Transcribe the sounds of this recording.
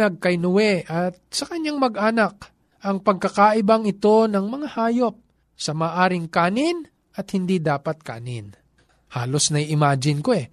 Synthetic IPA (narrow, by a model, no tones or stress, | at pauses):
ɐɡ̚kɐjnʊwɛʔɐt̪̚sɐkɐɲaŋmɐɡʔaːnɐk̚ | ʔɐŋpɐɡ̚kɐkaʔɪbaŋɪt̪o̞nɐŋmɐŋahaːjop̚ | sɐmaːʔaːɾɪŋkaːnɪn | ʔɐt̪̚hɪnd̪id̪aːpɐt̪̚ka̰ːnɪn | haːlo̞snɐjʔɪmaːd͡ʒɪnkoɛ